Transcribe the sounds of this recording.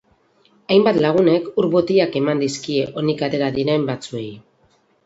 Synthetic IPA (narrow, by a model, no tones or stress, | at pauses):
ajmbat̪laɣ̞une̞kuɾβo̞t̪iake̞mand̪iskie̞ʔo̞nikat̪e̞ɾaðiɾembat͡sue̞j